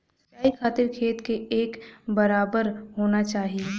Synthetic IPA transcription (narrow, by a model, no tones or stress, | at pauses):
aːikʰaːt̪ɪɾkʰeːt̪keeːkbɐɾaːbəɾɦoːnat͡ʃaːɦie